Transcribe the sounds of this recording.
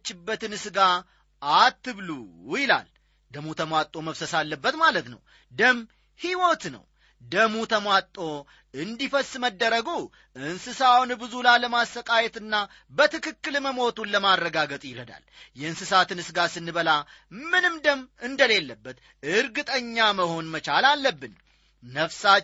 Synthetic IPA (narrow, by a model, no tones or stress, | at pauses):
t͡ʃːɪbːət̪ɨnɨsɨɡa | at̪ːɨβlujɪla̰l | d̪əmut̪ʰəmʷat̪ʼːo̞məfsəsalːəbːət̪malət̪nə̰w | d̪əm | hiwot̪nə̰w | d̪əmut̪ʰəmwat̪ʼːo̞ | ɨnd̪ifəsməd̪ːəɾəɡu | ʔɨnsɨsawnbɨzulajləmastəkʼajɛt̪ɨnːa | bət̪ɨkɨkːɨlməmo̞t̪unlːəmarːəɡaɡət̪ʼjɪɾəd̪a̰ljɛɨnsɨsat̪ɨnɨsɡasɨnːɨβəla | mɨnɨmd̪əmɨnd̪əle̞lːəbːət̪ | ɨɾɡɨt̪ʼəɲːaməho̞nmət͡ʃalalːəbːɨnː | əfsa